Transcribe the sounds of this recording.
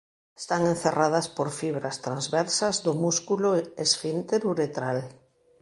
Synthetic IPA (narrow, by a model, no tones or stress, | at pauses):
e̥st̪aŋen̟θerað̞aspoɾfiβɾast̪ɾanzβɛɾsazðomuskuloesfint̪eɾuɾet̪ɾal